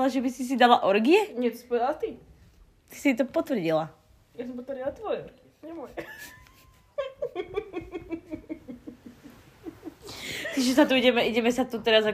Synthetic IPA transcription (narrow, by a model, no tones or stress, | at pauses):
laʒɛbisis̬id̪alaʔɔɾɡijɛɲɛt̪ɔ̥spɔd̪at̪i | t̪i̥sit̪̬ɔpɔt̪ʋr̩ɟila | jas̬ɔmpɔt̪ʋəɾdilat̪ʋɔjɛɔɾɡi | ɲɛmɔj | t̪iʒɛs̬at̪uiɟɛmɛʔiɟɛmɛsat̪ut̪ɛɾaza